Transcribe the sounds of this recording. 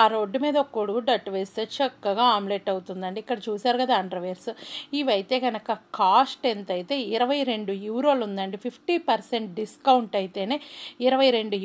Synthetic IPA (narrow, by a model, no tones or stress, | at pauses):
aːɾoːɖːumiːd̪ɐɔkːoɽuɖɐʈːʋeːst̪et͡ʃɐkːɐɡaːaːmleʈɐwut̪und̪ɐɳɖiːkːɐɽɐt͡ʃuːsaːɾukɐd̪aːɳɖɾɐʋeɾsiʋɐjt̪jɐɡɐnɐkɐkaːsʈent̪ɐjit̪e̞ːiɾɐʋɐjɾe̞ɳɖujuːɾoːlund̪ɐɳɖipʰipʰʈipɐɾse̞ɳʈ̚ɖiskɐwuɳʈɐjit̪e̞ːne̞ːiɾɐʋɐjɾe̞ɳɖu